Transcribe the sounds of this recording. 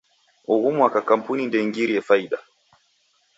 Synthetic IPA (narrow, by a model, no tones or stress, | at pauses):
ɔɣumwakakam̩punindɛŋɡiɾiɛfaiɗa